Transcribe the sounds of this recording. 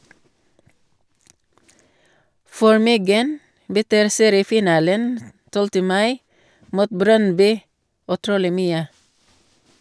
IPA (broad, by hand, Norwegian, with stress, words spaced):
ˈfɔɹ ˈmʏɡən bəˈtyːɾ ˈseːɾɪəˌfiːˌnɑːlən ˈtɔltə ˈmɑɪ ˈmuːt ˈbɾœnˌbyː ʉˈtɾuːlɪ ˈmyːə